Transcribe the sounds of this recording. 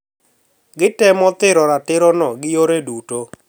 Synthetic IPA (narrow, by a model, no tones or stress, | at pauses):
ɡɪtɛmɔt̪ɪɾɔɾatɪɾɔnɔɡɪjoɾeduto